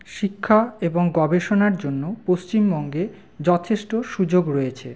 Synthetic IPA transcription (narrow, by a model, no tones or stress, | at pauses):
ʃikʰːaeboŋɡɔbeʃonaɾd͡ʑonːopost͡ɕimbɔŋɡe | d͡ʑɔt̪ʰeʃʈoʃud͡ʑoɡɾɔjet͡ɕʰḛ